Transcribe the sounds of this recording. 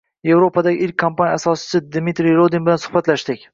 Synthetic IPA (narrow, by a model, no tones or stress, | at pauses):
je̞vɾopʰad̪aɡʲɪʔɪlkʲʰːampanjasɒsɪ̥t͡ʃʰɪd̪mit̪ɾijɾod̪inbɪlansʊ̥hbat̪laʃd̪ɪkʲ